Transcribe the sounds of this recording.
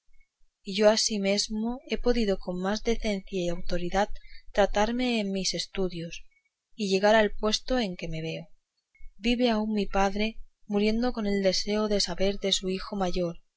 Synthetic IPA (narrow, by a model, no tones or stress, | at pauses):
iʝo̞asime̞zmo̞e̞po̞ðiðo̞ko̞mmazðe̞θe̞n̟θjaiawt̪o̞ɾiðatt̪ːɾat̪aɾme̞ːmmise̞st̪uðjo̞s | iʎe̞ɣ̞aɾalpwe̞st̪o̞e̞ŋke̞me̞β̞e̞o | biβe̞auŋmipaðɾe̞muɾje̞nd̪o̞ko̞ne̞ld̪e̞se̞oðe̞saβe̞ɾðe̞suixo̞maʝo̞ɾ